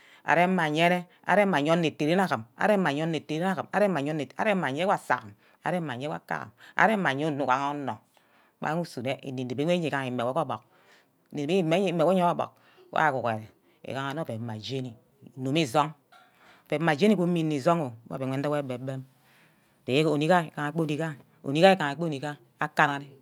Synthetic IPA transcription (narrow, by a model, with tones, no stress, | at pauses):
a̰˨ɾe˦m̩˦mːa˨ɲe˦ne˦ | a̰˨ɾe˦a˨ɲo˦nː˦e˨te˨ɾe˦n˦a˦kɨ˨ma̰˨ɾe˦a˨ɲo˦e˨te˨e˦n˦a˦kɨ˨ma˦ɾe˦a˨ɲo˦e˨a̰˦ɾe˦a˨ɲ˦e˦wa˦˨sa̰˨km | a̰˨ɾe˦mːa˨ɲ˦e˦wa̰˦ka̰˦ɣa̰˨ma̰˨ɾe˦mːa˨ɲe˦u˦˨nu˨a˨ŋa˦o˦no˨˦ | k͡pa̰˨˦ŋu˦su˨ne˦ḭ˨ni˨n˨e˨be˦e˦ɲe˨ka˦ŋi˨me˨wo˦ko˦bo˨k | ne˨e˨be˦i˦me˦e˨mːe˨we˦o˦o˦bo̰˨k̚ | a̰˦˨ku˨ke˨ɾe˨ | ḛ˨ka˨˦ŋa˨no˦˨e˨ma˨d͡ʒe˦ni˨ | no˨mi˦˨zo˦ŋ˨ | pe˨˦mːa˨d͡ʒe˦ni˦o˦mi˦ni˨zo˦ŋo˨˦a̰˦˨e˨ŋʷe˨˦n˦a˦we˦be˨˦be˦m˨ | te˨je˦ko˨ni˦ka˦e˨ka˨ŋa˨k͡pe˦˨ni˨˦ka˦ | o̰˨ni˦ka˦e˦ka˨ŋ˨˦k͡pe˦ni˨ka˦ | a˦ka˦na˦ne˦